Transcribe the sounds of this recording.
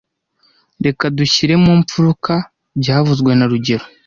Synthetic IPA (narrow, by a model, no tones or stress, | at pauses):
ɾe̞kaduçiɾe̞muːmp͡fuɾuka | bɟaːvuzɡwe̞naɾuɟe̞ɾo